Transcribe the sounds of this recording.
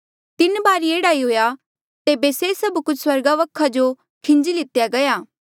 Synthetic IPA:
t̪ɪnbaːɾieːɽaiɦoːja | t̪eːbesesɐbkʊt͡ʃʰswɐɾɡaʋɐkʰad͡ʒo | kʰɪ̃ɲd͡ʒilɪt̪jaɡɐjaː

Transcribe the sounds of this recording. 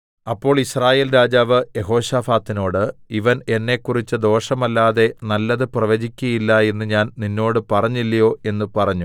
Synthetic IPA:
ɐpːo̞ːɭisraːje̞ːlɾaːd͡ʑaːʋɨjeɦo̞ːɕaːfaːt̪ːino̞ːɽɨiʋɐne̞nːe̞kːurit͡ɕːɨd̪o̞ːʂɐmɐlːaːðe̞nɐlːɐðɨprɐʋɐd͡ʑikʲːujilːɐe̞nːɨɲaːnninːo̞ːɽɨpɐrɐɲːilːɐjo̞ːe̞nːɨpɐrɐɲːu

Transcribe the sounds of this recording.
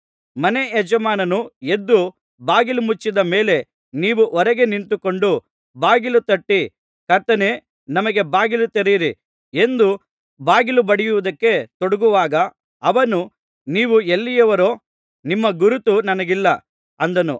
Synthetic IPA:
mɐne̞ed͡ʒɐmaːnɐnue̞d̪ːu | baːɡilumut͡ʃːid̪ɐmeːle̞ | niːʋuʔɔɾɐɡe̞nint̪uko̞ɳɖu | baːɡilut̪ɐʈːi | kɐɾt̪ɐneː | nɐmɐɡe̞baːɡilut̪eɾiːɾi | e̞nd̪u | baːɡilubɐɽijuʋud̪ɐkːe̞t̪oɽuɡuʋaːɡɐː | ʋɐnu | niːʋuelːijɐʋɐɾoː | nimːɐɡuɾut̪unɐnɐɡilːɐ | ɐnd̪ɐnṵ

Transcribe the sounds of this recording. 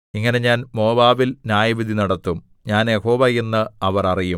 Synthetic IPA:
iŋːɐne̞ɲaːnmo̞ːbaːʋilnaːjɐʋid̪ʱinɐɽɐt̪ːum | ɲaːnjɐho̞ːbɐjenːɨɐʋɐrɐriju

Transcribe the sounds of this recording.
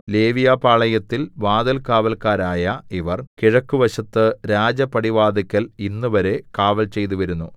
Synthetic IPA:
le̞ːʋijaːpaːɭɐjɐt̪ːilʋaːd̪ɐlkaːʋɐlkaːɾaːjɐiʋɐrkiɻɐkːuʋɐɕɐt̪ːɨɾaːd͡ʑɐpːɐɽiʋaːd̪ikʲːɐlinːuʋɐɾe̞kaːʋɐlt͡ɕe̞jt̪uʋɐɾunːu

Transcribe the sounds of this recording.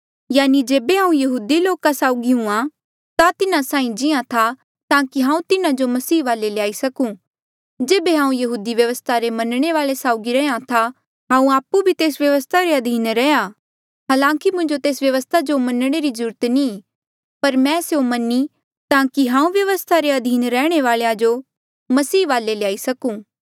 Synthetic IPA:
jaːnid͡ʒeːbeɦãːũjɐɦuːd̪iloːkasaːʊɡiɦũã | t̪at̪ɪnãsãːĩd͡ʒɪãt̪ʰa | t̪ãːkiɦãːũt̪ɪnad͡ʒomɐsiːʋaːlelejaːisɐkũ | d͡ʒeːbeɦãːũjɐɦuːd̪iʋjɐʋəst̪ʰaɾemɐnɽ̃eʋaːɭesaːʊɡiɾɛãt̪ʰa | ɦãːũaːpːubʱit̪eːsʋjɐʋəst̪ʰaɾeɐd̪ʱiːnɾɛja | ɦaːlãːŋkimʊ̃ɲd͡ʒot̪eːsʋjɐʋəst̪ʰad͡ʒomɐnɽ̃eɾizuːɾət̪nĩ | pɐɾmɛ̃ːseomɐnːi | t̪ãːkiɦãːũʋjɐʋəst̪ʰaɾeɐd̪ʱiːnɾɛːɽ̃eʋaːɭejad͡ʒo | mɐsiːʋaːlelejaːisɐkũː

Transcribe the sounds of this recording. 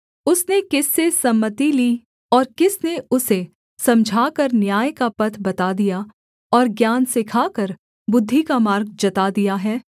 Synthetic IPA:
ʊsnekɪsːesɐmːət̪iliː | ɔːɾkɪsneʊse | sɐ̃md͡ʒʱaːkəɾnjaːjkapɐt̪ʰbɐt̪ad̪ija | ɔːɾɡjaːnsɪkʰaːkəɾ | bʊd̪ʱːikamaːɾɡ̚d͡ʒɐt̪ad̪ijaɦɛː

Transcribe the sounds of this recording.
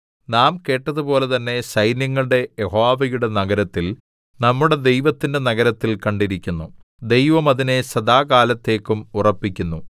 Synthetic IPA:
naːmke̞ːʈːɐðupo̞ːle̞t̪ɐnːe̞ɕɐjnjɐŋːɐɭɨɽe̞jeɦoːʋɐjuɽe̞nɐɡɐɾɐt̪ːil | nɐmːuɽe̞d̪e̞jʋɐt̪ːinde̞nɐɡɐɾɐt̪ːilkɐɳɖiɾikʲːunːu | d̪ejʋɐmɐðine̞ɕɐd̪aːkaːlɐt̪ːe̞ːkːumurɐpːikʲːunːu

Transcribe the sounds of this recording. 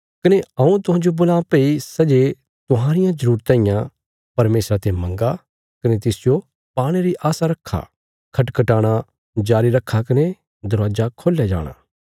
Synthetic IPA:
kɐneɐũt̪ʊɦãːd͡ʒobʊlaːpeisɐd͡ʒe | t̪ʊɦãːɾɪjãzɐɾuːɾt̪ɛ̃ːĩjã | pɐɾmeːsɾat̪ʰemɐ̃ŋɡa | kɐnet̪ɪsd͡ʒo | paːɽ̃eɾiʔaːsaɾɐkʰːa̰ | kʰɐʈkɐʈaːɽ̃a | d͡ʒaːɾiɾɐkʰːakɐne | d̪ɐɾʋaːd͡ʒakʰoːljad͡ʒa̰ːɽ̃a̰ː

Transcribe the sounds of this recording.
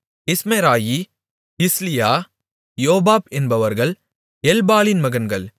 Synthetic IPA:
ɪsmeɾaːji | ɪslɪjaː | joːbaːpɛnbɐʋɐɾɣɐɭ | ɛlbaːlɪnmɐɣɐnɡɐɭ

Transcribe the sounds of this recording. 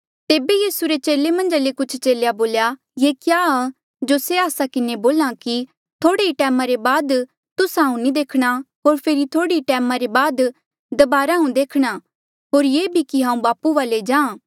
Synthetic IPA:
t̪eːbejiːsuɾet͡ʃeːlemɐ̃nd͡ʒalekʊt͡ʃʰt͡ʃeːljaboːlja | jeːkjaːa | d͡ʒoseaːsakɪneboːlãki | t̪ʰoːɽeiʈɛːmãɾebaːd̪ | t̪ʊsɦãːũnĩd̪eːkʰɽ̃aɦoːɾpʰeːɾit̪ʰoːɽiiʈɛːmãɾebaːd̪ | d̪ɐbaːɾaɦũd̪eːkʰɽ̃a | ɦoːɾjeːbʱikiɦãːũbaːpuʋaːled͡ʒãː

